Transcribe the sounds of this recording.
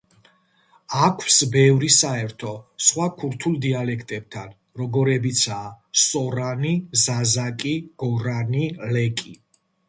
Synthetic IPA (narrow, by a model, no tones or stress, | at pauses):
akʰwsbɛvɾisaɛɾt̪ʰɔsχwakʰuɾt̪ʰulˠd̪ialɛkʰt̪ʼɛb̚t̪ʰan | ɾɔɡɔɾɛbit̪sʰaː | sɔɾanizazakʼiɡ̥ɔɾanilɛkʼi